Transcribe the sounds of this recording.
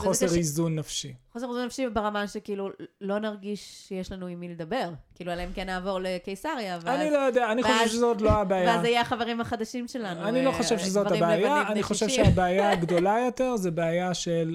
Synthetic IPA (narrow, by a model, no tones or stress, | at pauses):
χo̞seʁizunːafʃiχose̞ʁizunːafʃibeʁamaʃekiːlulo̞naʁɡiʃʃejeʃlanuimiled̪ɐbe̞ʁkiilualemkenːaːvo̞ʁle̞kejsaʁjaːvaanlilojod̪eaːniχoʃevʃezotloabeajvaaajaaχaveʁimhaχad̪aʃimʃelanuanilo̞χoʃevʃezot̪abeajaaniχoʃevʃeabeajaɡdo̞lajote̞ʁzebeajaʃel